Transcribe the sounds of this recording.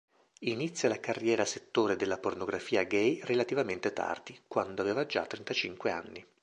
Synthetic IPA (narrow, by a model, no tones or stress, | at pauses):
init̪sːjalakarːjɛːɾaset̪ːoːɾed̪elːapornoɡɾafiːaɡɛjrelat̪ivament̪et̪ʰa̰rd̪ikwand̪oaveːvad͡ʒa̰t̪ːɾent̪at͡ʃiŋkwea̰nːi